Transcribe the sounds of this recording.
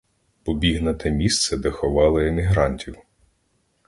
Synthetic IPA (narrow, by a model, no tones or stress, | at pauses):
pɔbʲiɦnɐt̪ɛmʲist̪sɛd̪ɛxɔʋɑlˠɪemʲiɦɾɑnʲtʲiw